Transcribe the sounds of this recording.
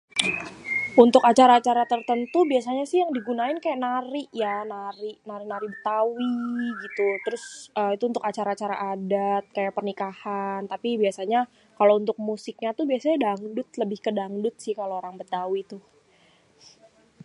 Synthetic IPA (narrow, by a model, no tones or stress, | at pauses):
unt̪ʊkat͡ʃaɾaːt͡ʃaɾat̪ərt̪ənt̪ubiasaɲasɪhjaŋdiɡunaɪnkajaʔnaɾɪʔjanaɾɪʔnaɾɪk̚naɾɪʔbət̪awiɡit̪ut̪əɾʊsəit̪uːnt̪ʊkat͡ʃaɾaːt͡ʃaɾaʔːdat̪̚kajaʔpərnikahant̪apibiasaɲa | kalount̪ʊk̚musɪk̚ɲat̪ubiasaɲadaŋdʊt̪̚ləbɪhkədaŋdʊt̪̚sɪhkalooɾaŋbət̪awit̪ʊh